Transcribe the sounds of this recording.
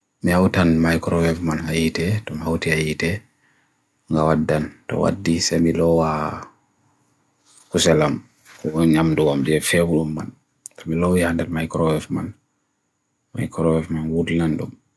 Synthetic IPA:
mihawtanmajkɾɔwɛfmanhajitɛtɔmihawtiajitɛ | ŋɡawadːantɔ̰wa̰dːisamilɔwa | kusɛlam | kɔɔɲamduwamdiɛfɛwuɗumːa̰n | tɔmilɔwihandɛlmajkɾɔwɛfma̰n | ma̰jkɾɔwɛfmanwudnandṵm

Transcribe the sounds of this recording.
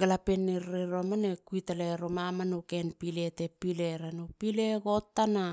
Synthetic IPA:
ɡalapenːiɾːeɾoamanekuitaleɾomamanokenpiletepileɾanupileɡotːana

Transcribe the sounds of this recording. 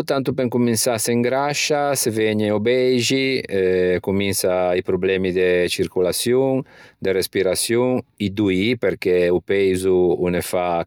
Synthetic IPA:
t̪ant̪up̬ɛŋkuminsasɛŋɡɾaʃasevɛɲeubɛjʒiɛkuminsaipɾublɛmid̪et͡ʃiɾkulasjuŋd̪erespiɾasjuŋid̪uipeɾkɛupɛjzuunefa

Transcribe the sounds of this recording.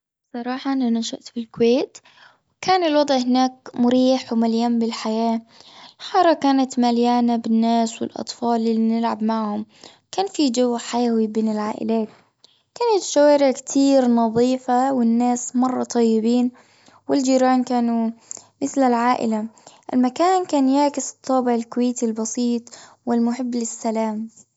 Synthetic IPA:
sˤɑɾˤɑːħɑʔananaʃaʔt̪bɪlkweːt̪ | wkaːnɪlwɑd̪ˤʕhɪnaːk̚mʊɾiːħwmaljaːmbɪlħajaːlħɑːɾˤɑkaːnat̪maljaːnabɪnːaːswɪ̰lʔɑ̰t̪ˤfɑːlʔɪlːinɪlʕabmaʕhʊm | kaːnfid͡ʒawːħajawibeːnɪlʕaːʔɪ̰laːt̪̚ | kaːnat̪ʃawaːɾɪʕkt̪ʰiːɾnɑðˤiːfawɪnːaːsmɑrˤːɑt̪ˤɑjːɪbiːn | wɪld͡ʒiːɾaːnkaːnumɪθlɪlʕaːʔɪ̰laʔɪlmakaːnkaːnjaːkɪsɨ̥t̪ʰˤːɑːbɪʕɪlkʊweːt̪ilbɑsiːt̪ˤ | wɪlmʊħɪbːlɪsːalaːm

